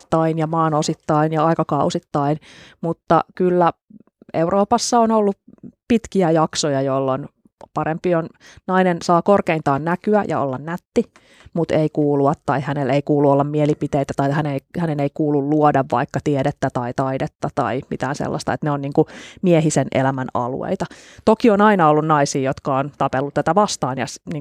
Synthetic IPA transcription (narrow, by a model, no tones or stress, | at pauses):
t̪ːɑinjɑmɑːnosit̪ːɑinjɑɑikɑkɑusit̪ːɑinmut̪ːɑ̰kylːæ | eurʔoːpɑsːɑonolːupit̪kiæjɑksojɑjolːon | pɑɾempionnɑinensɑːkorkeint̪ɑːnnækyæjɑ̰o̰lːɑnnæt̪ːi | mut̪eikuːluɑt̪t̪ɑihæneleikuːluolːɑmmielipit̪eit̪æt̪ɑihæneihæneneikuːlulluodɑʋʋɑ̰ikːɑt̪iedet̪ːæt̪ɑit̪ɑidet̪ːɑt̪ɑ̰imḭt̪æːnsḛlːɑ̰st̪ɑet̪neonniːŋkumieɦisenʔḛlæmænɑ̰lṵḛit̪ɑ | t̪okionɑinɑolːunnɑisiːjot̪kɑont̪ɑpelːut̪æt̪æʋɑst̪ɑːnjɑ̰sniːŋ